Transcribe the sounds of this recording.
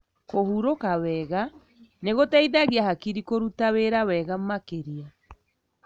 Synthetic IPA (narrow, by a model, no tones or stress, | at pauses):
kohuɾokawɛɣa | neɣotaiðaɣiahakiɾikoɾutaweɾawɛɣamakeɾia